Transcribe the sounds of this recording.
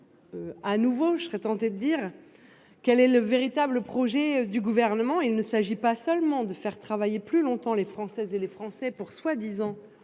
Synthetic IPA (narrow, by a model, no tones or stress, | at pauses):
øanuvoʒəsʁɛt̪ɑ̃t̪ed̪əd̪iːʁ | kɛlɛləveʁit̪abləpχɔʒɛd̪yɡuvɛʁnəmɑ̃ilnəsaʒipasœlmɑ̃d̪əfɛʁt̪χavajeplylɔ̃t̪ɑ̃lefχɑ̃sɛzelefχɑ̃sɛpuʁswad̪izɑ̃